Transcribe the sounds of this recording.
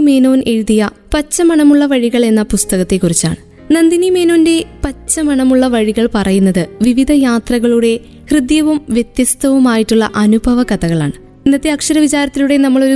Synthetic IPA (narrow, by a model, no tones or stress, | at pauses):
me̞ːno̞ːnʔe̞ɻuðijɐ | pɐt͡ɕːɐmɐɳɐmuɭːɐʋɐɻiɣɐɭe̞nːɐpust̪ɐɣɐt̪ːekːurit͡ɕːa̰ːɳɨ | nɐnd̪inime̞ːnoːnde̞pɐt͡ɕːɐmɐɳɐmuɭːɐʋɐɻiɣɐɭpɐrɐjunːɐðɨʋiʋid̪ʱɐjaːt̪rɐɣɐɭuɽe̞ | hrɨd̪jɐʋumʋjet̪jɐst̪ɐʋumaːjiʈːuɭːɐʔɐnubʱɐʋɐkɐðɐɣɐɭa̰ːɳɨ | inːɐt̪ːeɐkʂɐɾɐʋit͡ɕaːɾɐt̪ːiluɽe̞nɐmːɐɭo̞ɾu